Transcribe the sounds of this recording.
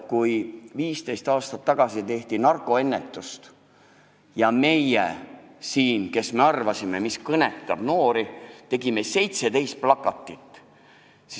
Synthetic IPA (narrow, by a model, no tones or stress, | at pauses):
kujviːst̪e̞jst̪ɑːst̪ɑt̪ːɑɡ̥ɑsit̪e̞ht̪inɑrkːˑo̞e̞nːet̪ːˑust̪ | jɑme̞jḛsiːnke̞sme̞ɑrvɑsime̞miskɤnet̪ːˑɑb̥no̞ːɾit̪e̞ɡime̞se̞jt̪se̞d̪e̞jst̪̚plɑkːˑɑt̪ːit̪ːˑ | si